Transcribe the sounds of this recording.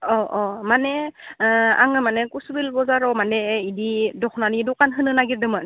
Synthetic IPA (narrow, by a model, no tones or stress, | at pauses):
ɔʔɔmanɛ | a̰ŋɯmanɛkusbilbɔzaɾɔmanɛididɔkʰnanidɔkanɦɯnɯnaɡiɾdɯmɯn